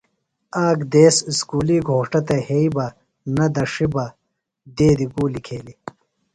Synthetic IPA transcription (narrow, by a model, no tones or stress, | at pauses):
aːɡd̪eːsskuːliɡʱoːʂʈɐt̪ɐheibɐ | nɐd̪ɐʂibɐ | d̪eːd̪iɡuːlikʰeːli